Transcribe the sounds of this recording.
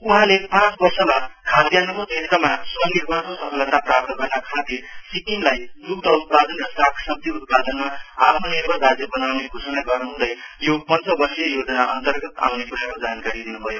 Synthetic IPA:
uɦãlepãt͡sbʌrsʌmakʰad̪janʌkod̪ʱiɾk̪ʌmasʌnirbʱʌtosʌpʰʌlʌt̪aprap̚t̪ʌɡʌrnakʰad̪isikinlajlukd̪ʌut̪̚pad̪ʌnrʌsakʰsʌb̚d̪ʱjiut̪̚pad̪ʌnmaa̰pʰnonirbʱʌlrad͡zjʌbʌnawneɡʱosʌnaɡʌrnuɦũd̪ʌjjopʌnt͡sʌbʌrsijʌjod͡zʌnaʔʌ̰nt̪ʌrɡʌt̪a̰wnekuɾakod͡zankaɾid̪inubʱʌjo

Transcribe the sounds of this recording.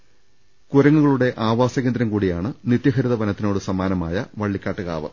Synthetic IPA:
kuɾɐŋːuɣɐɭuɽe̞ʔaːʋaːsɐɣe̞ːnd̪ɾɐmkuːɽijaːɳɨnit̪jɐɦɐɾiðɐʋɐnɐt̪ːino̞ːɽɨsɐmaːnɐma̰ːjɐʋɐɭːikʲːaːʈːɨɣa̰ːʋɐ̰

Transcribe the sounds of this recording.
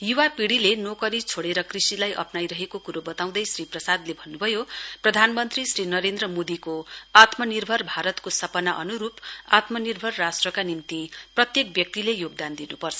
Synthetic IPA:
juwapiɽilenokʌɾit͡sʰoɽeɾʌkrisilajʔʌ̰pnajɾʌɦekokuɾobʌt̪aw̃d̪ʌjsriprʌsad̪lebʱʌnːubʱʌjoprʌd̪ʱanmʌnt̪risrinʌɾend̪ɾʌmod̪ikoat̪mʌnirbʱʌrbʱaɾʌt̪kosʌpʌnaʔʌnuɾupat̪mʌnirbʱʌrːasʈrʌkanimt̪iprʌt̪jek̚bjʌk̚t̪ilejoɡ̚d̪and̪inupʌrt͡sʰʌ

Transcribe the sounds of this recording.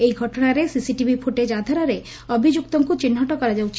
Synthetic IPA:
ejɡʱɔʈɔnaɾesisiʈibʱipʰuʈed͡ʒad̪ʱɔɾaɾe | ɔbʱid͡ʒuk̚t̪ɔŋkut͡ʃinːɦɔʈɔkɔɾad͡ʒawt͡ʃʰ

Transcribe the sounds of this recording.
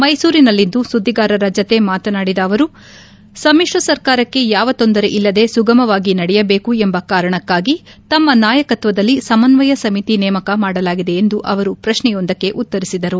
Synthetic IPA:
mɐjsuːɾinɐlːind̪usud̪ʱːiɡaːɾɐɾɐd͡ʒɐt̪e̞maːt̪ɐnaːɽid̪ɐːʋɐɾu | sɐmiʂʋɐsɐɾkaːɾɐkːe̞jaːʋɐt̪o̞nd̪ɐɾe̞ʔilːɐd̪e̞suɡɐmɐʋaːɡinɐɽɛjɐbe̞ːkuembɐkaːɾɐɳɐkːaːɡit̪ɐmːɐnaːjɐkɐt̪ʋɐd̪ɐlːisɐmɐnʋɐjɐsɐmit̪inɛːmɐkɐmaːɽɐlaːɡid̪e̞ːnd̪uʔɐʋɐɾupɾɐʃnɛjo̞nd̪ɐkːe̞ʔut̪ːɐɾisid̪ɐɾu

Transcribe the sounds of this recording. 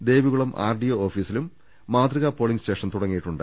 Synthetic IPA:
d̪e̞ːʋiɣuɭɐmʔa̰ːrɖijooːfiːsilumː | aːd̪riɣɐpo̞ːɭiŋɡste̞ːʂɐnt̪uɽɐŋːijiʈːuɳɖɨ̰

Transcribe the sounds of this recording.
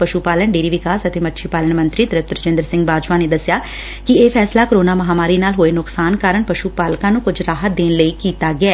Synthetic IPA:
pəʃupaːləɳɖeːɾiːʋɪkaːsət̪emətːʃʰiːpaːləɳmə̃nt̪ɾiːd̪ɾəp̚t̪ɾəd͡ʒɪ̃nd̪əɾsɪ̃ŋɡbaːd͡ʒʋãːneːd̪əsːɪjaː | kɪeːpʰɛːslaːkoɾoːnaːməɦaːmaːɾiːnaːlɦoːeːnʊksaːnkaːɾəɳpəʃuːpaːlkãːnũːkʊd͡ʒɾaːɦət̪̚d̪eːnləiːkiːt̪aːɡɪɛː

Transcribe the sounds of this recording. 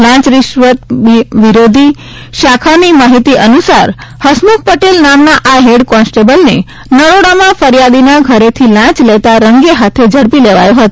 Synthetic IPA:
lãt͡ʃɾɪʃʋət̪̚iʋiɾod̪ʱi | ʃakʰanimaɦit̪iʔənusaɾhəsmuk̚ʰpəʈelnamnaʔaɦeɽkɔnsʈebəlne | nəɽoɽamãfəɾjad̪inaɡʱəɾet̪ʰilãt͡ʃlet̪aɾəŋɡeɦat̪ʰed͡ʒəɽpileʋa̰jõɦət̪o

